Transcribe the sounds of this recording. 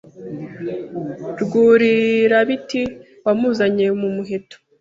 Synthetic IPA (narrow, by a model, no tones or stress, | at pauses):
ɾɡuːɾiɾaβiti | βamuːzaɲemumuɦe̞to̥